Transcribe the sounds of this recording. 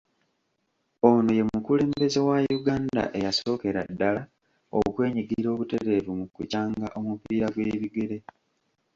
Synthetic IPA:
onoje̞mukule̞ːmbe̞ze̞wajuɡaːnda̰ʔe̞jaso̞ːke̞ɾadːala | o̰kwe̞ːɲiɡiɾo̞ːβute̞ɾe̞vumukːṵcaːŋɡaʔo̞mupiːɾaɡweːβiɡe̞ɾe̞

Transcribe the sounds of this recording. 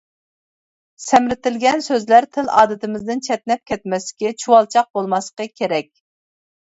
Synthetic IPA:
sɛmɾɪt̪ɪlɡʲɛnsøzlæɾt̪ʰɪlɑ̰ːd̪ɨt̪ɪmɪzd̪ɪnt͡ʃʰɛt̪̚nɛp̚kʲɛt̪mɛsɪ̥kʲit͡ʃʰuwɑlˠt͡ʃʰɑq̚bolˠmɑsqəkʲʰeɾɛkʲ

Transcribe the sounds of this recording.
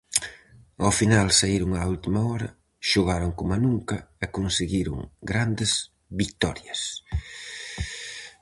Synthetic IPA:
awfinalsaiɾʊŋault̪imɐɔɾɐ | ʃoɣaɾoŋkomanuŋkɐɛkonseɣiɾʊ̰ŋɡɾand̪ɪz | βikt̪ɔɾjɐs

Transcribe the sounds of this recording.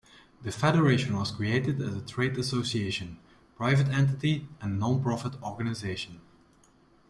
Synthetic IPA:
ðəfɛɾəɹeɪʃə̃nwɔz̥kɹ̥ieɪtɪdæzətʰɹeɪdəsosieɪʃə̃n | pɹaɪvətɛ̃nt̬ɪtiɛ̃nːɔ̃npɹɔfətɔɹɡənɪzeɪʃə̃n

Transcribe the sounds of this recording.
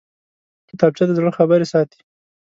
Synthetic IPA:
kɪt̪ɑb̚t͡ʃad̪əzəxabəɾesɑt̪i̥

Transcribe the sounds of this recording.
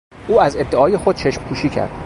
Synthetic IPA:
ʔuːæzed̪ːeɒːje̞xod̪̚t͡ʃʰe̞ʃmpʰuːʃiːcʰæ̰ɾd̪̥̚

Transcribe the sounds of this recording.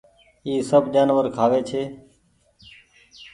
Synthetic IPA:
iːsəbd͡ʒaːnʋəɾkʰaːʋeːt͡ʃʰeː

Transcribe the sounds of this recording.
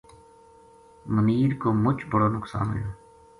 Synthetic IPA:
məniːɾkoːmʊt͡ʃbəɽoːnʊksa̰ːnɦo̰ːjoː

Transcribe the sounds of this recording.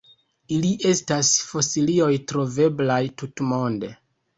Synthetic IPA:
iliʔe̞stasfo̞silio̞jtɾo̞ve̞blajtutmo̞nde̞

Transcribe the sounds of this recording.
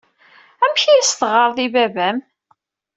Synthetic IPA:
æmçiæsθʁəɾˤðibævæm

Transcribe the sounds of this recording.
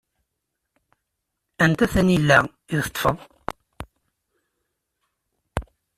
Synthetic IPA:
ænt̪æθænilːæ | iðθə̥t̪ːˤfə̰ðˤ

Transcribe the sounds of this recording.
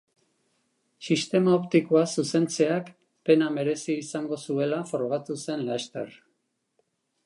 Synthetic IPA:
sist̪e̞maopt̪ikoasuse̞nt͡se̞ak | pe̞name̞ɾe̞siːsaŋɡo̞sue̞lafo̞ɾɣ̞at̪use̞nlast̪ḛɾ

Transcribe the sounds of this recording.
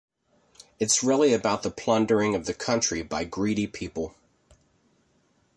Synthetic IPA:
ɨtsɹɪlˠiɨbaʊt̪̚ðəpʰl̥ʌ̃ndə˞ɪ̃ŋʌvðɨkʰʌ̃nt͡ʃɹ̥ibaɪɡɹiɾipʰipl̩ˠ

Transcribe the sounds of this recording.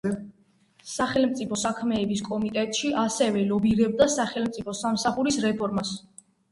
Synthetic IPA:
saχɛlmt̪sʼipʰɔsakʰmɛːbiskʼɔmit̪ʼɛt̪ʼʃiʔasɛvɛlɔbiɾɛb̚d̪asaχɛlmt̪sʼipʰɔsamsaχuɾisɾɛpʰɔɾmas

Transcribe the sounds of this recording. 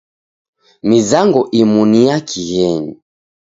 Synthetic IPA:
mizaŋɡɔʔimunijakʰihɛɲi

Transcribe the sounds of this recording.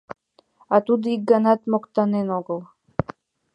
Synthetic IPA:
at̪ud̪ik̚ɡanat̪mɔkt̪anenɔɡəlˠ

